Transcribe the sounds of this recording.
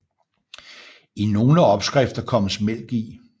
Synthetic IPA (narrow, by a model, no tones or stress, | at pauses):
ino̝ːləɒ̽b̥sɡ̥ʁɛfd̥ɐkʰɒ̽məsmel̰ɡ̥i